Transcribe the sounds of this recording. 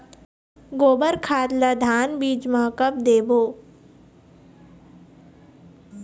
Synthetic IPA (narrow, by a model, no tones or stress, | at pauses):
ɡoːbəɾkʰaːd̪lad̪ʱaːnbiːd͡ʒməkəp̚d̪eːboː